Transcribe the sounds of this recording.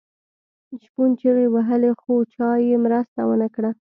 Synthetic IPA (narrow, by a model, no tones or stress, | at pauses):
ʃpunt͡ʃeɾewaɦəlexot͡ʃɑjemɾəst̪awənəkɽa